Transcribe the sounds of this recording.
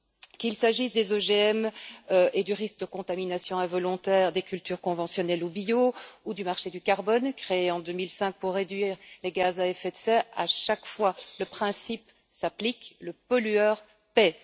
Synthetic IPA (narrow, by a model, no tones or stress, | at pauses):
kilsaʒisd̪ezɔʒeɛmøed̪yʁisk̚d̪əkɔ̃t̪aminasjɔ̃ɛ̃vɔlɔ̃t̪ɛːʁd̪ekʲylt̪yʁkɔ̃vɑ̃sjɔnɛlubioud̪ymaʁʃed̪ykaʁbɔnkχeeɑ̃d̪ømilsɛ̃k̚puʁːed̪ɥiːʁleɡazaɛfɛt̪sɛa̰ʃakfwaləpχɛ̃sip | saplikləpɔlyœʁ | pɛ